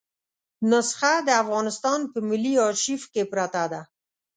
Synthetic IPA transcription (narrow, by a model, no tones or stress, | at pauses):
nʊsxad̪əafɣɑnɪst̪ɑnpəmɪlːiɑʃifkepɾat̪ad̪a